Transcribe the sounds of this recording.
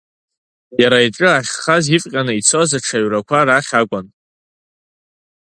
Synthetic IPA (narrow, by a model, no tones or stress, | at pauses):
jaɾaiʈ͡ʂʼɨaχʲχazifʼqʲʼanɨit͡sʰozaʈ͡ʂʰaɥrakʷʰaɾaχʲakʷʼan